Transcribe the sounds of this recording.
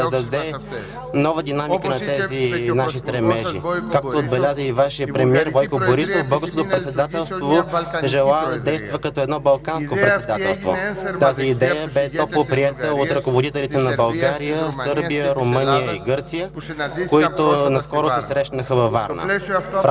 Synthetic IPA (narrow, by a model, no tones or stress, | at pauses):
ɐd̪ɐd̪ɛ | nɔvəd̪inamikənɐt̪ɛzinaʃist̪ɾɛmɛʒʒḭkak̚t̪oːd̪̚bɛlʲazəivaʃijəpɾɛmiɛɾvɔjkoboɾisofbɤlˠɡəɾskot̪opɾɛt̪sɛd̪at̪ɛlˠst̪voʒɛlˠad̪ɐd̪ɛjst̪vəkɐt̪ɔɛd̪nɔbɐlˠkanskopɾɛt̪sɛtd̪at̪ɛlˠst̪vo̰t̪aziːd̪ɛjəbɛt̪ɔpt̪lˠpɾiɛt̪əot̪ɾɐkovod̪it̪ɛlit̪ɛnɐbɐlˠɡaɾijəsɤɾbijəɾomɤnijəiɡɤɾt̪sijəkoit̪onɐskɔɾosɛsɾɛʃnəxəvɐva̰ɾnə̰f